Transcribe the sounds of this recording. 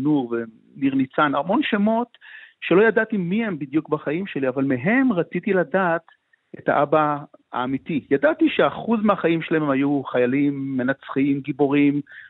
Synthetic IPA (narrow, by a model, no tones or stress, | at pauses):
nuʁve | niʁnit͡sanaʁmo̞nʃemo̞tʃelo̞jadat̪imihe̞mbid̪jukbaχaimʃe̞liavalmeɦe̞mʁat͡sit̪iladat̪ | eta̰ʔabaa̰ːmit̪ijadat̪iʃe̞aχuzmeaχaimʃelaemhajuχajalimːe̞nat͡sχimɡibo̞ʁim